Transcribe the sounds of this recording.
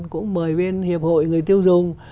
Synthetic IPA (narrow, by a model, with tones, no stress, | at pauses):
nkʊ̰˧˥ŋ͡mməː˨˩jɓe˧nhi˨˩əp̚ho̰˧˨jŋɨ˨˩əjt̪i˧əwzʊ˨˩ŋ͡m